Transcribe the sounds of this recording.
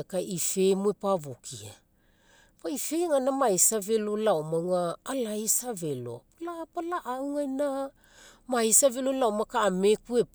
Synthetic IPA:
kaʔife̞muepavokʰḭa̰ | paifeŋanamajsave̞lolawmawŋaːlajsave̞lo̞̰palapalaʔawŋajna | majsavelolawmakaːme̞kue̞

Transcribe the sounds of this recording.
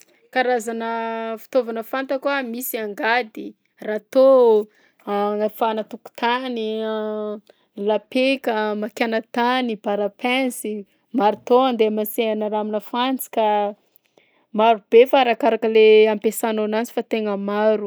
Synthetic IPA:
kaɾazanəfi̥t̪ovanəfant̪akuamisiaŋɡad̪i | rat̪o | aŋafanət̪uku̥t̪ani | lapekəmakʲanət̪anibaɾapɛ̃nsi | maɾit̪oand̪emaseanaɾaminəfant͡si̥ka | maɾub̥efaɾakaɾakəleampesanonant͡si̥fat̪eŋəmaɾu

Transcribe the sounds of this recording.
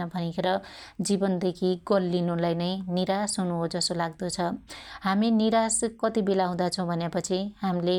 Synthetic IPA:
ʌbʱʌnikʰeɾʌd͡zibʌnd̪ekʰiɡʌlːinulajnʌjniɾasɦunuɦod͡zʌsolaɡd̪ot͡sʰʌɦaminiɾaskʌt̪ibelaɦũd̪at͡sʰʌ̃w̃bʱʌnjapʌt͡sʰiɦamle

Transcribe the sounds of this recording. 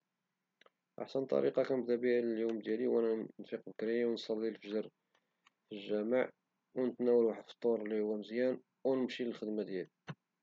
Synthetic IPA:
ʔa̰ħsənt̪ˤɑ̰ɾiqɑkænbd̪æbiʕləljumd̪jæliwʔænænfiqbəkɾijwnsˤɑlːilfəʒəɾˤ | filʒːæmaʕ | wnət̪næwəlwaħəd̪fə̥t̪ˤːoɾˤlːihʊwːæməzjæn | wnəmʃiləlxəd̪mæd̪jæli

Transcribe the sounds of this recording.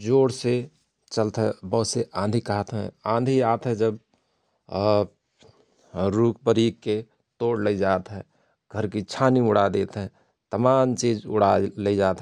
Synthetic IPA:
d͡ʒoːɽse | t͡ʃəlt̪ɦɛbəɦʊt̪seʔãːnd̪ʱikəɦət̪ɦɛ̰̃ãːnd̪ʱiaːt̪ɦɛ̃d͡ʒəb | ɾuːkʰpəɾikːe | t̪oːɽləid͡ʒaːt̪ɦɛ | ɡʱəɾkit͡ʃʰaːniʊɽ̤ad̪eːt̪ɦɛ̃ | t̪əmaːmt͡ʃiːd͡ʒʊ̰ɽaləid͡ʒaːt̪ɦɛ

